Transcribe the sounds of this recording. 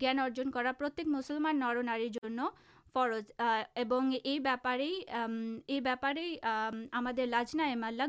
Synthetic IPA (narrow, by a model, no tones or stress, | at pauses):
ɡɛnɔɾd͡ʑonkɔɾapɾot̪ːekmusolmanːɔɾonaɾiɾd͡ʑonːo | fɔɾot͡ʃeboŋejbɛpaɾej | ejbɛpaɾejamad̪eɾlad͡ʑnaemalːa